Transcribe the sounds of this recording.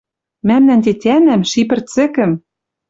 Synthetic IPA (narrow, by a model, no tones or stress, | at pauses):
mæmnænt̪et̪ʲænæmʃip̬ɘ̆rt͡sɘ̆kɘ̆m